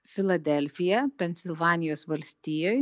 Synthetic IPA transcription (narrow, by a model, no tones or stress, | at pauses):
fʲɪlˠɐd̪ʲɛlʲfʲɪjɛpʲɛnʲsʲɪlˠʋɑːnʲɪjoːsʋɐlʲsʲt̪ʲiːjoːj